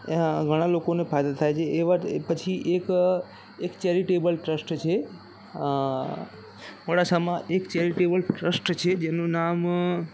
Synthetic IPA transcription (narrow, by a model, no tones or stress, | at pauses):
ɡʱəɽ̃alokonepʰajd̪at̪ʰajt͡ʃʰeːʋapət͡ʃʰiʔek | ekt͡ʃɛɾiʈebəlʈɾəsʈt͡ʃʰe | məɽasəmãʔekt͡ʃɛɾiʈebəlʈɾəsʈt͡ʃʰed͡ʒenũnam